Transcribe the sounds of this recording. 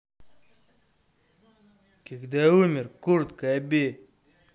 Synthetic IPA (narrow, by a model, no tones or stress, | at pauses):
kikd̪eumiɾkuɾd̪kabe